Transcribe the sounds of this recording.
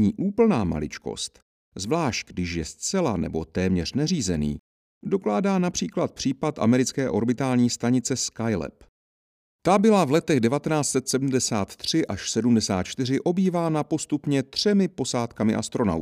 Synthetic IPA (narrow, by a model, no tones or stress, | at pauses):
ɲiːʔuːpl̩naːma̰lɪ̰t͡ʃko̞̰st̪ | zvlaːʃt̪̚ɡdɪʃjɛst͡sɛla̰nɛ̰bo̞̰t̪ɛːmɲɛr̝̥nɛriːzɛnḭː | do̞klaːdaːnapr̝̥iːklat̪̚pr̥iːpat̪ʔa̰mɛɾɪt͡skɛːʔo̞ɾbɪt̪aːlɲiːst̪aɲɪt͡sɛskajlɛ̰p | t̪abɪlavlɛt̪ɛɣdɛvat̪ɛnaːt͡st͡ssɛt̪sɛdm̩dɛsaːt̪ːr̝̥ɪʔaʃsɛdumdɛsaːt̪̚t͡ʃt̪ɪrɪʔo̞biːvaːnapo̞st̪upɲɛt̪r̝̥ɛmɪpo̞saːt̪kamɪʔa̰st̪ɾo̞na̰w